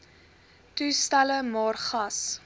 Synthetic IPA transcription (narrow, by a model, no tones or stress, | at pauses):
tʉstɐləmɑːrχɐs